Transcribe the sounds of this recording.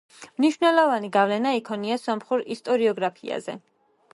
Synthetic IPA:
mniʃwnɛlˠɔvaniɡavlɛnaikʰɔniasɔmχuɾist̪ʼɔɾiɔɡɾapʰḭa̰zɛ̰

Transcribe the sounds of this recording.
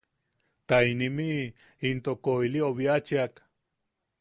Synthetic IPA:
t̪ajnimi | int̪okojlioβiat͡ʃiak

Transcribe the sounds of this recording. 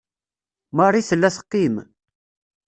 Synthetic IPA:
mərˤːiθəlːæsə̥qːim

